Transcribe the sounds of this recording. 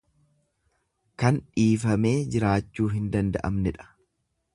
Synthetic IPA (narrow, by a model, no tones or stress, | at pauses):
kɐnᶑiːfɐme̞ːd͡ʒɪɾaːt͡ʃːuːɦɪnd̪ɐnd̪ɐ̰ʔɐ̰mnɛᶑɐ̥